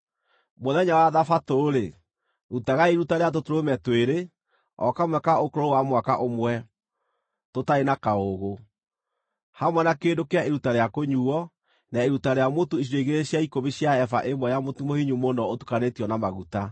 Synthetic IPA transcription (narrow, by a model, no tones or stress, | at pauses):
moðɛɲawaðafatoːɾe | ɾutaɣaeɾutaɾeat̬otoɾomɛtweɾe | ɔ̰kamwɛkaokoɾoowamwakaʔomwɛ | totaenakaoɣo | hamwɛnakeːndokeaeɾutaɾeakoɲuɔ | naeɾutaɾeamotoiɕ̬iɾeiɣeɾeɕjaikoβiɕjaɛfa̰ʔemwɛjamotumohiɲumonɔotu̥kanetiɔnamaɣuta